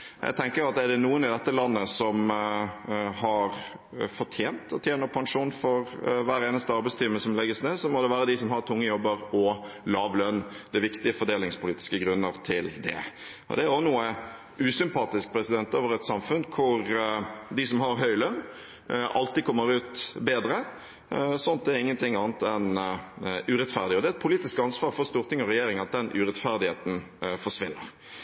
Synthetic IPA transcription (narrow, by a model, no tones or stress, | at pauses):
jʔæ̰ɡt̪ʰɛŋkəɾɑt̪ɛɖɛnuːənɪd̪ɛt̪ːəlɑnːəsɔm | ɦɑɾ | fɔʈʰjeːnt̪ɔt̪ʰjeːnəɾpʰɑŋʂuːnfɔɾʋæːɾeːnəst̪əɑɾbɛɪst̪ʰiːmːəsɔmlɛɡːəsneːdsɔmɔd̪ɛʋæːɾəd̪ɪsɔmɦɑɾt̪ʰʊŋːəjɔbːəɾɔ | lɑːʋlœnd̪̥ɛʋɪkt̪ɪəfɔɖeːlɪŋspʰʊliːt̪ɪ̥skəɡɾʉnːəɾt̪ʰɪld̪ɛ̰ | ʔɔ̰d̪ɛæɾɔnuːə | ʉːsʏmpɑːt̪ɪsk̚pʰɾɛsɪd̪ɛnt̪oːʋəɾɛt̪sɑmfʉnkʰʊɾd̪ɪsɔmhɑɾɦœʏlœn | ʔɑlt̪ɪkʰɔmːəɾʉːt̪beːd̪ɾə | sɔnt̪̚d̪ɛɾɪŋːənt̪ʰɪŋːɑːnət̪ɛn | ʉɾɛt̪fæʁd̪ɪɔd̪ɛɛt̪̚pʰʊliːt̪ɪskɑnsʋɑːɾfɔɾst̪uːɾt̪ɪŋɔɾɛjeːɾɪŋɑt̪̚d̪ɛnʔʉɾɛt̪fæɾd̪ɪheːt̪n̩ | fɔʂʋɪnːə̰ɾ